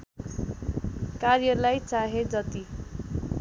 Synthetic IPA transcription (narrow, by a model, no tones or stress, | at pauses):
karjʌlajt͡saɦed͡zʌt̪i